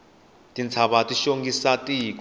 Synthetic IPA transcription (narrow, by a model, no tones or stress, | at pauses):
tʼint͡sʰaɓatʼiʃoŋɡisatʼikʼ